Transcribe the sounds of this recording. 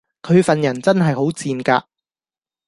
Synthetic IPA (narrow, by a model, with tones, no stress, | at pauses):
kʰɵ˨˧ɥfɐ˨njɐ˨˩nt͡sɐ˥nɦɐ˨jɦo˨˥wt͡siː˨˧nka̰ː˧